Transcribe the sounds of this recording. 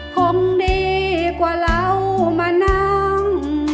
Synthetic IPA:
kʰo˧˦ŋde˧˩kwaː˧˩la˧˥˧wmaː˧˩na˧˩ŋ

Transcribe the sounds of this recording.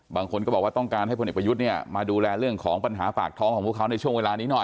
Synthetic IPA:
baː˧ŋkʰo˧nkɔː˥˩bɔ˨˩waː˥˩t̪ɔ˥˩ŋkaː˧nɦa˥˩jpʰo˧nʔe˨˩pa˧ju˦˥t̪̚ni˥˩əmaː˧duː˧lɛː˧ɾɯ˥˩əŋkʰɔː˩˦ŋpa˧nɦa̰ː˩˦fa̰ː˨˩k̚t̪ʰɔː˦˥ŋʰkɔː˩˦pʰkʰwna˧jt͡ɕʰu˥˩əŋweː˧laː˧niː˦˥nɔ˨˩

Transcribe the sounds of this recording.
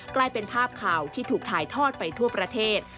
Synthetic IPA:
klaː˧jpe˧npʰaː˥˩p̚kʰaː˨˩wt̪ʰiː˥˩t̪ʰuː˨˩k̚t̪ʰaː˨˩˦jt̪ʰɔː˥˩t̪̚pa˧jt̪ʰu˥˩ɐpɾa˧t̪ʰeː˥˩t̪̚

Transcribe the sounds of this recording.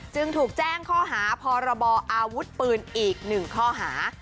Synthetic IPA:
t͡ɕɯ˧ŋt̪ʰuː˨˩k̚t͡ɕɛː˥˩ŋkʰɔː˥˩ɦaː˩˦pʰɔː˧ɾa˧bɔː˧ʔaː˧wu˦˥t̪̚pɯː˨˩nʔiː˨˩k̚nɯ˨˩ŋkʰɔː˥˩ɦaː˩˦

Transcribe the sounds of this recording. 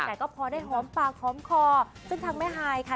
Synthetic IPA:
tɛː˨˩kɔː˥˩pʰɔː˧daː˥˩jɦɔː˩˦mpaː˨˩k̚hɔː˩˦mkʰɔː˧˩sɯ˥˩ŋt̪ʰaː˧ŋmɛː˥˩ɦaː˧jkʰa˧˥˩

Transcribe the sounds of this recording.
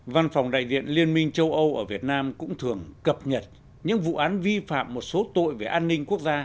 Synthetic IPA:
va˧nfɔ˨˩wŋ͡mɗa̰ː˧˨jzḭ˧˨ənli˧ənmï˧ŋ̟t͡ɕə˧wʔə˧wʔəː˧˩vi˨˩ət̚naː˧mkʊ̰˧˥ŋ͡mt̪ʰɨ˨˩əŋkə˨˩p̚ɲə˨˩t̚ | ɲɨ̰˧˥ŋvṵ˧˨ʔaː˨˦nvi˧fa̰ː˧˨mːo˨˩t̚so˨˦t̪o̰˧˨jve˨˩ʔaː˧nːï˧ŋku˦˥ək̚zaː˧

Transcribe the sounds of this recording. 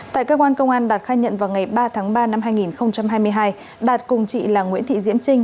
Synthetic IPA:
t̪a̰ː˧˨jkəː˧kwaː˧nkə˧wŋ͡mʔaː˧nɗaː˨˩t̚xaː˧jɲə̰˧˨nvaː˨˩wŋa˨˩jɓaː˧t̪ʰaː˨˦ŋɓaː˧na˧mhaː˧jŋi˨˩nxə˧wŋ͡mt͡ɕa˧mhaː˧jmɨ˧əjɦaː˧j | ɗaː˨˩t̚kʊ˨˩ŋ͡mt͡ɕḭ˧˨laː˨˩ŋwḭ˧˥ənt̪ʰḭ˧˨zḭ˧˥əmt͡ɕï˧ŋ̟

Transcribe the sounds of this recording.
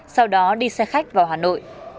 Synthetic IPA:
sa˧wɗɔ˨˦ɗi˧sɛ˧xa˦˥jk̟̚vaː˨˩wɦaː˨˩no̰˧˨jʔ

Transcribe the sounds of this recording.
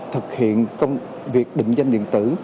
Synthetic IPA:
t̪ʰɨ˨˩k̚hḭ˧˨ənkə˧wŋ͡m | vi˨˩ək̚ɗḭ̈˧˨ŋ̟zə˧nɗḭ˧˨ənt̪ɨ˧˩

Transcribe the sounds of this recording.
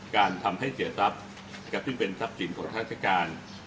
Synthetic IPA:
kaː˧nt̪ʰa˧mɦa˥˩jsi˨˩˦ɐsa˦˥p̚ | ka˨˩p̚t̪ʰiː˥˩pe˧nsa˦˥p̚t͡ɕʰi˩˦nkʰɔː˩˦ŋk̪ʰa˦˥a˥˩t͡ɕʰa˧˩kaː˧n

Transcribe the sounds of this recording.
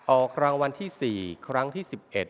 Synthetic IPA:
ʔɔː˨˩kʰːɾa˧ŋwa˧nt̪ʰiː˥˩siː˨˩kʰɾa˦˥ŋt̪ʰiː˥˩si˨˩p̚ʔe˨˩t̪̚

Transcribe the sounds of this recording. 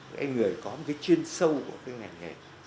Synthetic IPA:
ʔa̰˧jŋɨ˨˩əjkɔ˨˦m̚˨˩ka˨˦jt͡ɕi˧ənsə˧wku˧˩əkaː˨˦jŋa˨˩jŋe˨˩

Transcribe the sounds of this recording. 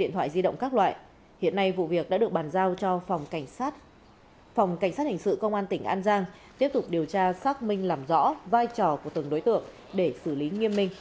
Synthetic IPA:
ɗḭ˧˨t̪ʰwa̰ː˧˨jzi˧ɗə̰˧˨wŋ͡mkaː˦˥k̚lwa̰ː˧˨j | hḭ˧˨ənːa˧jvṵ˧˨vi˨˩ək̚ɗa̰ː˧˥ɗɨ˨˩ək̚ɓaː˨˩nzaː˧wt͡ɕɔ˧˨˩ŋ͡mt̚ | fa˨˩wŋ͡mka˧˩ŋ̟sa˦˥t̚hï˨˩ŋ̟sɨ̰˧˨kə˧wŋ͡mʔaː˧nt̪ï˧˩ŋ̟ʔaː˧nzaː˧ŋt̪i˦˥əp̚t̪ʊ˨˩k͡p̚ɗi˨˩əwt͡ɕaː˧saː˦˥k̚mï˧ŋ̟laː˨˩mzɔ̰˧˥vaː˧jt͡ɕɔ˨˩ku˧˩ət̪ɨ˨˩əŋɗo˨˦jt̪ɨ̰˧˨əŋ̚ | ɗe˧˩sɨ˧˩li˨˦ŋi˧əmːï˧ŋ̟

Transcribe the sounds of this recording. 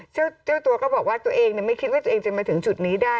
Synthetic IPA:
t͡ɕʰi˥˩t͡ɕʰi˥˩əwt̪u˧ɐkɔː˥˩bɔː˨˩k̚waː˥˩t̪u˧ɐʔeː˧ŋni˧˨˩ma˥˩jkʰi˦˥t̪̚waː˥˩t̪uː˧ŋt͡ɕa˧maː˧t̪ʰɯ˩˦ŋt͡ɕu˨˩t̪̚niː˦˥daː˥˩

